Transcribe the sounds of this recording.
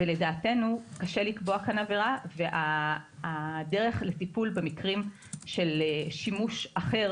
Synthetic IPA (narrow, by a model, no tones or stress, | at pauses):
vele̞daːte̞nukaʃe̞likboakanaveʁaveʔaː | de̞ʁe̞χletipulbemikʁim | ʃe̞leʃimuʃaχe̞ʁ